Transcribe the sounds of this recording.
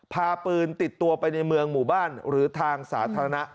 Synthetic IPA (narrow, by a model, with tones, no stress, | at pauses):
pʰaː˧pɯː˧nt̪i˨˩t̪ːu˧ɐpa˧jna˧jmɯ˧əŋmuː˨˩baː˥˩nɾɯː˩˦t̪ʰaː˧ŋsaː˩˦t̪ʰaː˧ɾa˧na˦˥ʔ